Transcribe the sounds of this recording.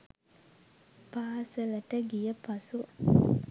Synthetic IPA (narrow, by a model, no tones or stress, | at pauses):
paːsələʈəɡijəpasu